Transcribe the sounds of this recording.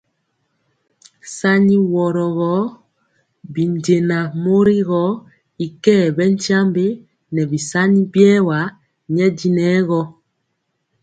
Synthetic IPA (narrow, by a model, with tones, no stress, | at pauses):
sa˦ɲi˦wɔ˨ɾɔ˨ɣɔ˨˦ | bi˨nɟe˨na˨mo˦ɾi˦ɣɔ˦ | i˨kɛː˦˨bɛ˦n˦tja˦mbe˦ | nɛ˨bi˨sa˦ɲi˦bɛ˦wa˨˦ | ɲɛ˦di˦nɛː˨˦ɣɔ˦